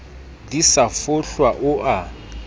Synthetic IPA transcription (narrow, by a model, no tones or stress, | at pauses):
disafʊɬwaʔʊʔa